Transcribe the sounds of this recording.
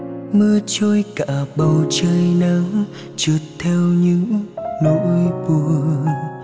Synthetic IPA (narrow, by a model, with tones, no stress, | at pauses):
mɨ˧ət͡ɕo˧jkaː˧˩ɓə˨˩wt͡ɕəː˧jnə˧˦w | t͡ɕɨ˨˩t̚t̪ʰɛ˧wɲɨ̰˧˥ŋno˧˥jɓu˧˩ə